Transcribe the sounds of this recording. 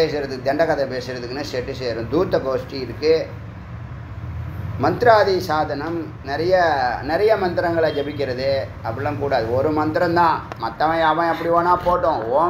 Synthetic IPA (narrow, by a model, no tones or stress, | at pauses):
eːsɯɾɐðɯkːɯd̪ɛɳɖɐkɐt̪ːɐpeːsɯɾɐðɯkːɯnɯseːʈːɯseːɾʊ̃d̪uːt̪ːɐkoːsʈiɪɾɯkːɯ | mɐnd̪ɪɾaːðisaːðɐnɐm | nɛɾɐjɐnɛɾɐjɐmɐnd̪ɪɾɐŋɡɐɭad͡ʒɐbɪk̬ʲːɪɾɐðɯɐpːɐɽɪlãːkuːɽaːðɯɔɾɯmɐnd̪ɪɾɐmt̪ãːmɐt̪ːɐʋɐ̃ɐʋɐ̃ɛpːɐɽiʋoːnaːpoːʈːõoː